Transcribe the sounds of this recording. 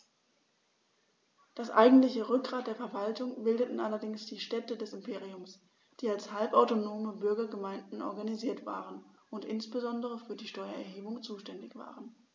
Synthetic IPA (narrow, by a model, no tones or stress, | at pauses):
d̥asʔa̰ɪɡŋ̩tlɪçəʁʏk̚ɡ̥ʁaːt̚d̥eːɐfɛɐvaltʊŋbɪldətn̩ʔalɐdɪŋsd̥iːʃtɛtədɛsɪmpʰeːʁiʊms | d̥iːalshalpaʊtonoːməbʏɐɡɐɡəmaɪndn̩ʔɔɐɡaniziːɐtv̥a̰ːʁən | ʊntʔɪ̰nsb̥əzɔndəʁəfyːɐdiːʃtɔʏɐɛ̰ɐɦeːbʊŋt͡suːʃtɛndɪçv̥a̰ːʁən